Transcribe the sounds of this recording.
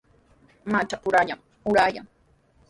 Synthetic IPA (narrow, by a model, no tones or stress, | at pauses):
mat͡ʃapʊɾaʎaŋ | ʊɾaja̰ŋ